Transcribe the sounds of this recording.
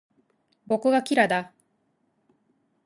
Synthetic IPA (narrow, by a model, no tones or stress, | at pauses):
bo̞kɯ̟ɡakʲiɾad̪a